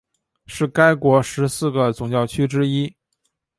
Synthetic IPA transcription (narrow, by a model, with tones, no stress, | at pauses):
ʂɻ̩˥˩ka˥ɪkwɔ˧˥ʂɻ̩˧˥sɹ̩˥˩ɡə˩t͡sʊ˨˩ŋt͡ɕjɑ˥˩ʊt͡ɕʰy˥ʈ͡ʂɻ̩˥i˥